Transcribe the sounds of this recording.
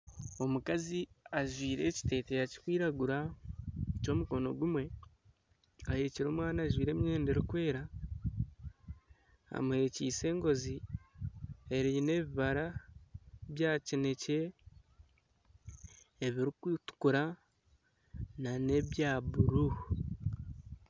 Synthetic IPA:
o̞mukaziaʒwiːɾe̞ːci̥te̞ːtejaci̥kwiːɾaɡuɾa | eco̞ːmuko̞no̞ɡumwe̞ | aheciɾo̞ːmwaːnaːʒwiːɾe̞ːmɲe̞ːnde̞ɾikwe̞ːɾa | a̰muhe̞ciːse̞ːŋɡo̞zi | e̞ɾine̞βiβaɾa | βjaːcine̞ce̞ | βiɾikwiːtu̥kuɾa | nane̞βjaːβuɾu

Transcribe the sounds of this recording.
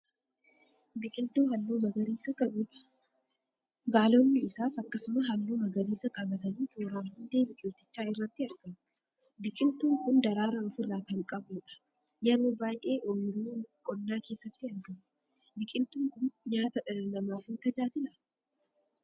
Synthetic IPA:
bɪkʼɪnt̪uːɦɐlːuːmɐɡɐɾiːsɐkɐʔuːᶑɐ̥ | baːloːnːɪɪsaːsɐkːɐsʊmɐɦɐlːuːmɐɡɐɾiːsɐkʼɐbɐt̪ɐniːt̪oːɾaːnhʊnd̪e̞ːbɪkʼɪːt̪ːɪt͡ʃːaːɪrːɐt̪ːɪɐɾɡɐm | bɪkʼɪnt̪uːŋkʊnd̪ɐɾaːɾɐɔfɪrːaːkɐŋkʼɐbuːᶑɐ̥ | jɐɾobaːjʔeːʔomɪɾuːkʼɔnːaːke̞ːsːɐt̪ːɪɐnd̪ɐm | bɪkʼɪnt̪uːŋkʊnjaːt̪ɐɐnɐmaːfɪnt̪ɐd͡ʒaːd͡ʒɪlɐ

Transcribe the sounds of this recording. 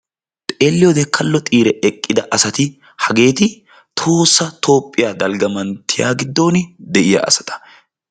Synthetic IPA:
t̪ʼe̞ːlːɪjɔd̪ɛkʰːɐlːɔt̪ʼiːɾɛɛkʼːɪd̪ɐʔɐsɐt̪ɪ | hɐɡe̞ːt̪ɪ | t̪ʰo̞ːsːɐt̪ʰo̞ːpʼːɪjaːd̪ɐlɡɐmɐnt̪ʰːɪja̰ːɡɪd̪ːo̞ːnd̪ɛʔɪja̰ːʔɐ̰sɐ̥t̪ʰʼɐ̥

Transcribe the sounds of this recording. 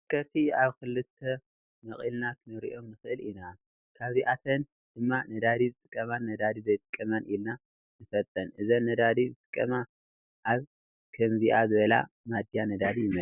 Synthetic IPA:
ɨkʰɐɾt̪ʰiaβkɨlːɨt̪ʰːɐ | mɐχʼilnak̪ʰɨnɨɾḭʔo̞mnɨxɨʔɨlina | kʰaβziʔat̪ʰɐn | d̪̥ɨmːanɐd̪ad̪izɨt̪ʼɨkʼːɐmanːɐd̪ad̪izɐjt̪ʼɨkʼːɐmɐnʔilna | nɨfɐt̪ʼːɐnʔɨzɐnːɐd̪ad̪izɨt̪ʼɨ̥kʼːɐma | ʔaβ | kʰɐmziʔazɨβɐla̰ | mad̪janɐd̪ad̪ijɪmɐ

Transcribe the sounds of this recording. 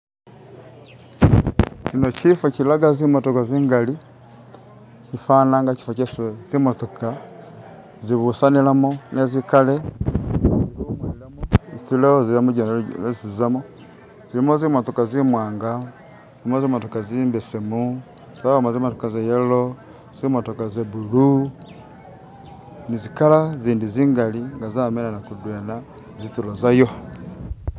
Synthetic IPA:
cinot͡ʃifakilaɡazimotokaziːŋɡali | t͡ʃifanaŋɡat͡ʃi̥fat͡ʃesezimotoka | ziβusanilamonezikale | umailamozitileozilamoɟnezizamo | zilimozimotokazimwaːŋɡa | zzilimozimotokaziːmbesemu | zaβamoziimotokazejelo | ziimotokazeβulu | nizikalaziːndiziːŋɡaliŋɡazamenanakudwena | zitulozajo

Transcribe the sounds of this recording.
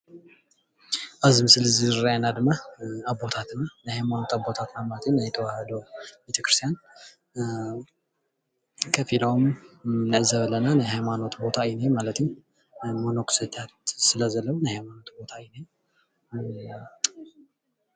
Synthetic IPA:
ʔazmɨsɨlzɨrajanad̪ɨmaabːo̞t̪ʰat̪ɨnːanəhajmano̞t̪abːo̞t̪ʰat̪namaət̪ʰəɲːajɛt̪ʰəwahəd̪owbjɛt̪ʰəkɾɨst̪ʰijan | kʰəfilawmɨnəʕzəβlənanəɦajmano̞t̪bo̞t̪ʰajinemalət̪ʰɨɲ | monokʰsɨt̪ʰat̪sɨləzəlːəβnəhajmano̞t̪bo̞t̪ʰajne

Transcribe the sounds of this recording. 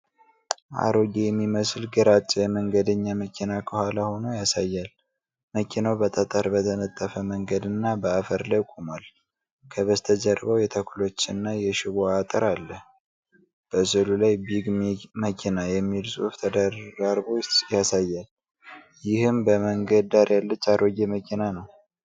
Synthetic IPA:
ʔa̰ɾoɡejɛmːiməslɡəɾat͡ʃʼːɛjɛməŋɡəd̪əɲːaməkʰinakʰəhʷalaho̞nojasajːal | məkʰinawbət̪ʼət̪ʼəɾbət̪ʰənət̪ʼːəfəməŋɡəd̪ɨnːabəafəɾlajkʷʼumal | kʰəβəst̪ʰəd͡ʒəɾβəwjɛt̪ʰəkʰulo̞t͡ʃːɨnːajɛʃɪβoat̪ʼəɾalːəh | b̥əsɨlulajbiɡməkʰinajɛmːilsʼuft̪ʰəd̪əraɾbojasajːal | jɪhɨmbəməŋɡəd̪aɾjalːət͡ʃːaɾoɡeməkʰinanəw

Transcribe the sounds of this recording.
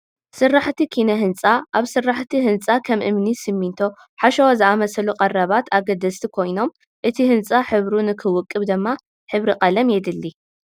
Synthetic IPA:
sɨrːaħt̪ʰikʰinɐɦɨnt͡sʼaʔaβsɨrːaħt̪ʰihɨnt͡sʼakʰɐmʔɨ̰mnisɨmːint̪ʰo̞ | ħaʃɐwazɨʔamɐsɐluqʼɐrːɐβat̪ʰaɡɐd̪ɐst̪ʰikʰo̞jno̞m | ʔɨt̪ʰihɨnt͡sʼaħɨβɾunɨkʰɨwʊkʼːɨβd̪ɨmːa | ħɨβɾiqʼɐlɐmjɛd̪ɨlːi

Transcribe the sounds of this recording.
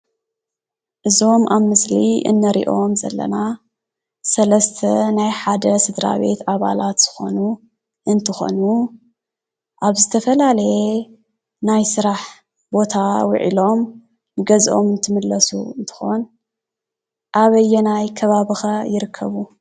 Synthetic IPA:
ʔɨzo̞mʔaβmɨsliɨ̰nːɐɾḭʔo̞mzɐ̰lːɐ̰na | sɐlɐst̪ʰɐnajħad̪ɐsɨd̪ɾa̰βe̞̰t̪ʰaβa̰lat̪z̥ɨ̥xo̞̰nu | ʔɨnt̪ʰɨxo̞̰nu | ʔaβzɨt̪ʰɐfɐlalɐje | najsɨɾaħ | bo̞t̪ʰawʊ̰ʕḭlo̞m | nɨɡɐzʔo̞mɨnt̪ʰɨmɨlːɐsṵɨnt̪ʰɨ̥xo̞n | ʔaβɐjːɛnajkʰɐβaβɨxajɪɾɨkʰːɐβu

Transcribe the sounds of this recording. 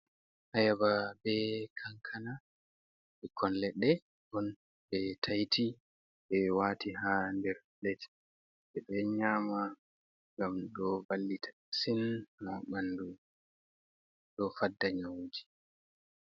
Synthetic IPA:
ʔajababɛkʰaŋkʰana | bɛkʰːɔnlɛɗːɛ | bɔn | bɛtʰajtʰi | ɓɛwaːtiɦandɛɾ | lɛt | ɓɛɓɛɲaːma | ŋɡamɗɔbalːitʰḁ | sinhaɓanːdu | ɗɔfadːaɲawud͡ʒi̥

